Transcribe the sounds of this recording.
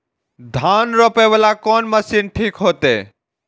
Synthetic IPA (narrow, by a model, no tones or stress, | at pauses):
d̪ʱaːnɾoːpeʋəlakɔːnməsinʈʰiːkɦoːt̪ḛː